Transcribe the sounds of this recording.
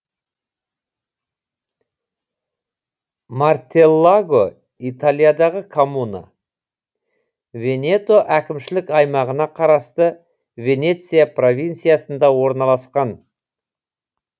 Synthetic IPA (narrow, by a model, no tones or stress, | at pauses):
mart̪e̞lˠːaɡo | it̪alˠijad̪ɑʁəkʰomuna̰ | ve̞nʲe̞t̪o̞ʔækʲɪmʃɪlɪkɑjmɑʁənɑqʰɑɾɑst̪ə | ve̞ne̞t̪sijapro̞vʲint̪sijasənd̪ɑwo̞ɾnɑlˠɑsqɑn